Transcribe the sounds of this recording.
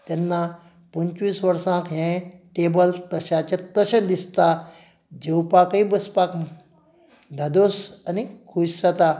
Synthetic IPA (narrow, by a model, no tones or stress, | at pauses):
t̪ɛnːa | pəɲt͡ɕʋiːsʋəɾsãkɦẽʈebəlt̪əɕat͡ɕẽt̪əɕẽd̪ist̪a | d͡ʑewpakibəspak | d̪ʱad̪osanikʰuɕsat̪a